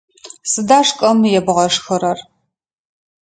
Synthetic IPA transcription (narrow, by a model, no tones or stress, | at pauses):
sɨdaːʂkʼɐmjɛbʁɐʂxɨɾɐr